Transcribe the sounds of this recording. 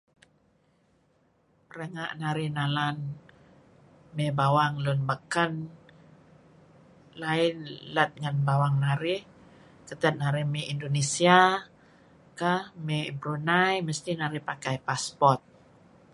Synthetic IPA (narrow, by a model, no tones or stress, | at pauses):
rəŋaʔnaɾihnalan | mebawaŋlunbəkən | laɪnlət̪̚ŋanbawaŋnaɾi | kət̪ət̪̚naɾimiindonesia | kəhmebɾunajməst̪inaɾipakajpaspɔrt̪̚